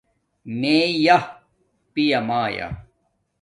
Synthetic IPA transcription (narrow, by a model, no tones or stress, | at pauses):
meːjɐ | pijɐmaːja̰